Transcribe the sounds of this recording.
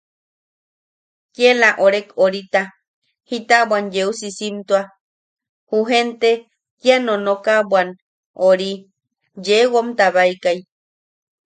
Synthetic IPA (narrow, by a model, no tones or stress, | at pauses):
kjelaʔoɾekoɾit̪a | hit̪abwand͡ʒeusisimt̪ua | huɦent̪e | kjanonokabwan | ʔoɾi | d͡ʒewomt̪aβaikaj